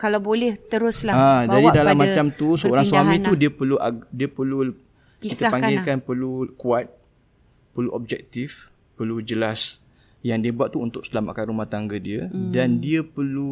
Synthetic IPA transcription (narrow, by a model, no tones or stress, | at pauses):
kalawbolɛht̪əɾʊslaad͡ʒadidalamːat͡ʃamt̪usəoɾaŋswamĩt̪udiəpəluadiəpərlu | kiit̪əpaŋɡɪlkanpəlukuat̪̚ | pərluʔɔb̚d͡ʒɛk̚t̪if | pərlud͡ʒəlas | jaŋdiəbuat̪̚ːuːnt̪ʊk̚səlama̰ʔkanɾumaht̪aŋɡədiədandiəpərlu